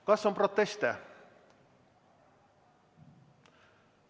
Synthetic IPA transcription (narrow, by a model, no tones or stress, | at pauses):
kɑːsɔmpʰɾɔt̪ɛst̪ə